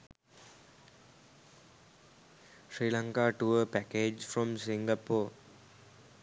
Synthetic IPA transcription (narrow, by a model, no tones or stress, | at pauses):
ʃɾiːlaŋkaːʈuəpækeːd͡ʒfɾɔ̃msiŋɡapoː